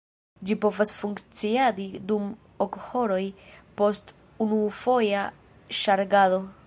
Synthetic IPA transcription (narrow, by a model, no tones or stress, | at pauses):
d͡ʒipo̞vasfuŋkt͡siadidum | okho̞ɾo̞jpo̞st | unufo̞ja | ʃaɾɡado̞